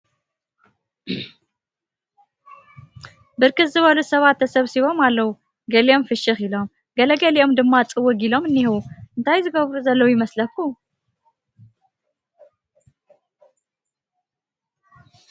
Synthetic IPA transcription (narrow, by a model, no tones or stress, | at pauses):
bɨɾkɨzɨβəlusəβat̪ʰːəsəβsiβo̞malːəhu | ɡəleo̞mfɨʃɨxilo̞m | ɡələɡəleo̞md̪ɨmːat͡sʼɨwːɨɡilo̞mɨnːihwuʔɨnt̪ʰajzɨɡəβɾuzɐlːəwjɪməsləkːu